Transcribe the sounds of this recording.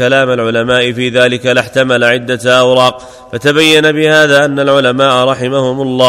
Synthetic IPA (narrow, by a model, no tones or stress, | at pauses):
alaːmalʕʊlamaːʔɪfiːðaːlɪkalɪħt̪amalaʕɪd̪ːaʔawɾɑːq̚ | fat̪abajːanabɪhaːðaːʔanːalʕʊlamaːʔaɾˤɑħɪmahʊmʊlˤːɑː